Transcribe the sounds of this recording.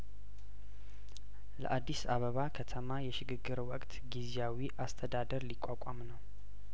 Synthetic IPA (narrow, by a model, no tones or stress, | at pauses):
lə̰ʔad̪ːisaβəβakʰət̪ʰəmajɛʃɪɡɨɡːɨɾwɔkʼt̪ɡizjawiʔast̪ʰəd̪ad̪əɾlikʼakʷʼamnəw